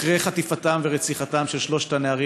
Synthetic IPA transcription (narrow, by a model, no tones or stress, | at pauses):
ʁejχatifatamveʁet͡siχatamʃelʃlo̞ʃtaneaʁi